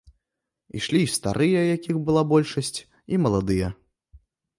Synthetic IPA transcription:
ḭʂlʲist̪a̰ɾʔɨjɐjakʲixbɨlˠabɔlʲʂɐsʲt͡sʲ | imɐlˠad̪ɨjɐ

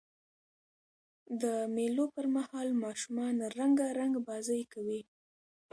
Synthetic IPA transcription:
d̪əmelopəɾmahɑlmɑʃumɑnɾaŋɡaɾaŋɡbɑzajkawi

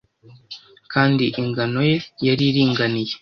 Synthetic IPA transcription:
kʰaːndiʔiŋɡano̞je̞jaɾiɾiːŋɡanije̞

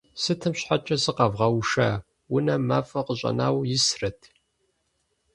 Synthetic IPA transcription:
sɨtʰɨmɕħat͡ʃʼɐsɨqɐvʁɐwʂaː | wʊnɐmaːfʼɐqəɕʼɐ̰na̰ːwjɪsrɐtʰ

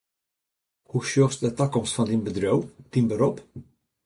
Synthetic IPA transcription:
huʃjɔfsd̪ɛt̪ːakːɔmsfɔnd̪inbəd̪ɾœwd̪̥inbəɾɔp

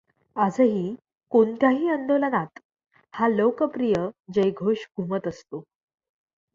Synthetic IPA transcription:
ad͡zəɦiː | kont̪jaɦiːənd̪olənat̪ | halokəpɾijəd͡ʑəjɡʱoɕɡʱumət̪əst̪o

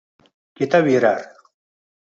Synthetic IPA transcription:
kit̪awiɾaɾ

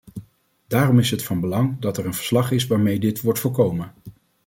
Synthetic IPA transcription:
d̥aːrɔmɪsɦətfɑnbəlɑŋdɑtɛɹənvə̥ɹslɑχɪsʋaːɹmejdɪtʋɔɹtfɔɹkowmən

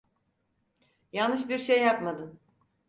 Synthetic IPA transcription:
jalnːɯʃbiɾʃejːapmad̪ɯm

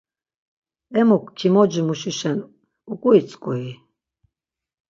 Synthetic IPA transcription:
ɛmukʷʰkʰimɔd͡ʒimuʃiʃɛn | ukʼuit͡sʼkʼui

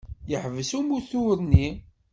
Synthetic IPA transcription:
jəħvəsumuθuɾni

